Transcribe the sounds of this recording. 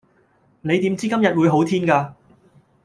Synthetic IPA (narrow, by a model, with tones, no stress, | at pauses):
ne˨˧jt̪iː˨˥mt͡siː˥kɐ˥mjɐ˨t̚wuː˨˧jɦo˨˥wt̪ʰiː˥nkaː˧